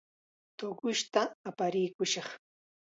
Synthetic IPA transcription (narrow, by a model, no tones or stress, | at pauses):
t̪oɢʊʃt̪aːpaɾɪjkʊʃɑχ